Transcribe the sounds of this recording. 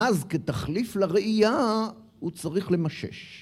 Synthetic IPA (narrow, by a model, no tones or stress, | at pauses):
azket̪aχliflaʁeija | ut͡saʁiχle̞maʃe̞̰ʃ